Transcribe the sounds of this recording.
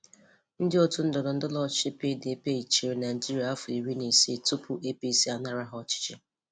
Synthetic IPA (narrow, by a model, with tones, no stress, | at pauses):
n̩˦dɪ˦ɔ˦tu˦n̩˦dɔ˨dɔ˨n̩˦dʊ˦lɔ˦t͡ʃɪ˦pe˦de˨pe˦i˨t͡ʃi˨ɾi˨na˨ɪ˨d͡ʒi˦ɾi˨a˨a˦fʊ˨i˨ɾi˦ne˨se˦˨tu˦pu˦ʔe˦pi˦si˦a˨na˦ɾa˦ɦɔ˦ɔ˨t͡ʃɪ̥˦t͡ʃɪ˦